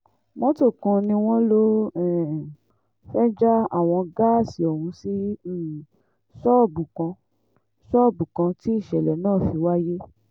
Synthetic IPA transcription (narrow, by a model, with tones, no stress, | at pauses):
mɔ̃˦to˦˨kɔ̃˧nĩ˧w̃ɔ̃˦lo˦ɛ˦˨ | fɛ˦d͡ʒa˦a˦˨w̃ɔ̃˧ɡaː˦˨si˨˦ɔ˨hũ˧˦si˦˨ | sɔ˦˨bũ˨kã˧ | sɔ˦˨bũ˨kã˧ti˦i˦˨ʃɛ˨lɛ˨nãː˦˨fi˧wa˦je˦